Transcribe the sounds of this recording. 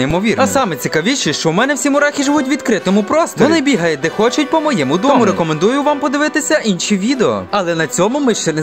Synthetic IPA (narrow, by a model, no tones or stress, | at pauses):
imɔʋʲirɐsɑmɛt͡sʲikɐʋʲiʃɪʃt͡ʃɔwmɛnɛwsʲimʊɾɑxʲiʒɪʋutʲʋʲid̪kɾɪt̪ɔmʊpɾɔst̪ɔɔɾnɪbʲiɦɐjɛd̪ɛxɔt͡ʃʊtʲpɔmɔjɛmʊd̪ɔmʊɾekɔmend̪ujʊʋampɔd̪ɪʋɪt̪ɪsʲɐʔinʃiʋʲid̪eɔɔ̰ɐlˠɛnɐt͡sʲɔmʊmɪʃt͡ʃɛnɛ